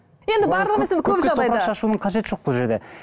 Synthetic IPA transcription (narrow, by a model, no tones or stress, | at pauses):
je̞nd̪ɪbɑɾlˠəʁemeseɪkʰɵpʒɑʁd̪ɑjpɾɑɑʃɑʃunəɴqʰɑʒe̞t̪ɪ̥ʒo̞q̚bolˠʒe̞ɾd̪e̞